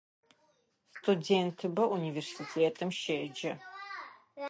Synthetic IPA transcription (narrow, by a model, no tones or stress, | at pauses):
stʰudeːntʰɨbɐʔuniversitʰeːtʰɨmʃeːd͡ʒɐ